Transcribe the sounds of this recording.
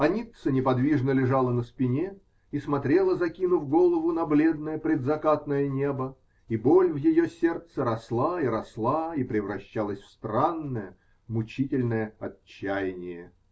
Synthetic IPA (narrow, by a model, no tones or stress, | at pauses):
ɐnʲit̪sənʲɪpɐd̪vʲiʐnəlʲɪʐalˠənəspʲɪnʲe | ismɐt̪ɾʲelˠəzɐkʲinʊvɡolˠəvʊnɐblʲe̞d̪̚nəjəpɾʲɪd̪zɐkat̪nəjənʲe̞bə | ibolʲvjɪjosʲe̞rt̪səɾɐslˠaiɾɐslˠaipɾʲɪvrɐɕːalˠəsʲfst̪ɾanːəjə | mʊt͡ɕitʲɪlʲnəjəɐt͡ɕːæjɪnʲɪjə